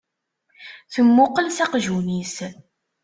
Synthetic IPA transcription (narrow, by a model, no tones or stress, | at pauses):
θəmːʊqəlsɑqʒunis